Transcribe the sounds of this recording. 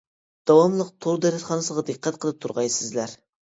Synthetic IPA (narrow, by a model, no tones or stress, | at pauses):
d̪̥ɑwɑmlˠəq̚t̪ʰoɾd̪ɛɾɛt̪χɑnɨsəʁɑd̪ɨqʰːɛt̪̚qʰəlˠɨp̚t̪ʰuɾʁɑjsɪzlæɾ